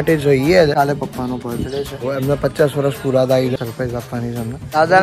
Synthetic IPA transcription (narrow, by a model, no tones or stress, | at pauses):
ʈed͡ʒəiealepəkːanopət͡ʃəɽet͡ʃʰeɦoɛmnapətːt͡ʃasʋəɾəspuɾad̪aiɡsəɾpɾajzapʋanit͡ʃʰɛmnaaːd̪a